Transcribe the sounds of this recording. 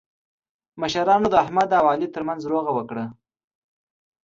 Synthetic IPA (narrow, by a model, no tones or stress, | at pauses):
məʃaɾɑnod̪əahmad̪ːawɑlit̪əɾmanzɾoɣawəkɽa